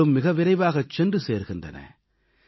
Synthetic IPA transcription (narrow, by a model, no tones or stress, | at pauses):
ɯmːɪɣɐʋɪɾɐɪʋaːɣɐt͡ʃːɛndrɯseːɾɣɪndrɐ̰nɐ̰